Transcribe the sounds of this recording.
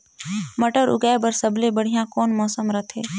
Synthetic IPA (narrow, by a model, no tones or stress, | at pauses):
məʈəɾʊ̰ɡaebəɾsəblebəɽ̤ijãkɔːnmɔːsəmɾɐt̪ʰeː